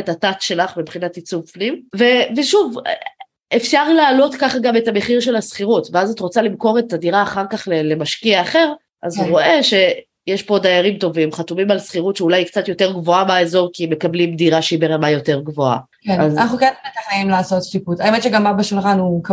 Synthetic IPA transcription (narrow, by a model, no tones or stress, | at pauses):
etatatʃe̞laχmibχinatit͡suvfnimve̞veʃuv | efʃaʁlaːlo̞tkaχaɡame̞tame̞χiʁʃe̞lasχiʁutveazatʁot͡salimko̞ʁetadiʁaːχaʁkaχlelemaʃkiaːχe̞ʁ | ʔazʁo̞ʔe̞ʃe̞ | jeʃpo̞dajaʁimto̞vimχatumimalsχiʁutʃeulajkt͡satjo̞te̞ʁɡvo̞abaezo̞ʁkimekablimdiʁaʃeibeʁelmajo̞te̞ʁɡvo̞a̰ | keazanaχnukenbetaχnaimlaːsot̪ʃiputajemetʃeɡambabeʃulχanuk